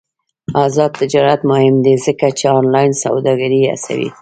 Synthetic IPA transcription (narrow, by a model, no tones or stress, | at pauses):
ɑzɑd̪̚t̪ɪd͡ʒɑɾat̪mʊhɪmd̪ezəkat͡ʃeɑnlɑjnsa̰wd̪ɑɡaɾia̰sa̰wḭ